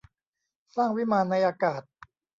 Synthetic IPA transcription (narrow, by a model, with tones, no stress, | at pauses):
saː˥˩ŋwi˦˥maː˧nːa˧jʔaː˧kaː˨˩t̪̚